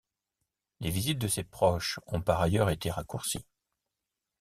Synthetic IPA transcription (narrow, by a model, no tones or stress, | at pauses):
levizit̪̚d̪əsepχɔʃɔ̃paʁajœʁet̪eʁakuʁsi